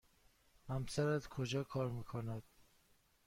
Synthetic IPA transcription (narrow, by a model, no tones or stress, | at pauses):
hæmsæɾæzkʰod͡ʒɒːkʰɒːɾmiːkʰonæd̪̥̚